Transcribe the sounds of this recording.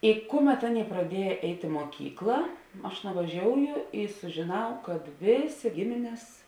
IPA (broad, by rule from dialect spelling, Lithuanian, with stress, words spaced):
ɪ ˈkʊˌmʲɛt ˈɑːˌnʲeːɪ prɐˈdʲiɛjɛ ˈɛɪtʲ ɪ muɔˈkʲiːklˠɐ ˈɐʃ nʊʋɐˈʒʲoːʊjʊ ɪ sʊʒʲɪˈnɐʊ kɐt ˈʋʲeːˌsʲeː ˈɡʲɪmʲɪnʲɛs